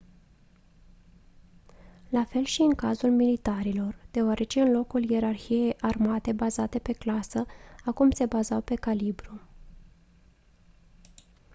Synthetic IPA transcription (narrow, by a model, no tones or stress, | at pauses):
lafe̞lʃiɨŋkazulmilit̪aɾilo̞rd̪̥e̞oaɾʔe̞t͡ʃe̞ɨnlo̞kulje̞ɾarçije̞jʔarmat̪e̞bazat̪e̞pe̞klasəakumse̞bazawpe̞kalibɾu